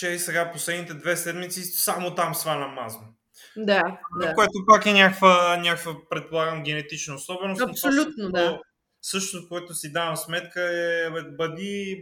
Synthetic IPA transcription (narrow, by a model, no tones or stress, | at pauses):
t͡ʃɛsɛɡaposlɛd̪nit̪ɛd̪vɛsɛd̪mit̪sisamot̪amsvanɐmazn | d̪and̪akoɛt̪opakɛnʲakəvənʲakəvəpɾɛt̪̚polˠaɡəmɡʲɛnɛt̪it͡ʃnoosɔbɛnosɐmsolʲut̪nod̪o | sɤʃt̪ot̪ofkoɛt̪osid̪avəmsmɛt̪kəɛbɐd̪i